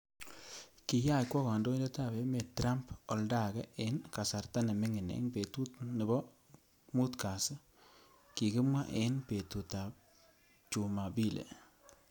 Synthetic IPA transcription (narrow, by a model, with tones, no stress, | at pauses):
ki˨ja˦˨kwɔ˦kɔ˨ndo˦i˦ndɛ˦ta˦˨be˨me˨tɾa˦mpɔ˨lda˦˨kɛ˦ʔɪ˨˦nka˨sa˨ɾta˦nɛ˨mɪ˦ŋɪ˨nḛ˨˦ŋpe˨tu˦tnɪ˨bɔ˦ | mu˦tka˨s | ki˨kɪ˦mwa˦ʔe˦npe˨tu˨ta˨ | t͡ʃu˨ma˨bi˦lḛ˨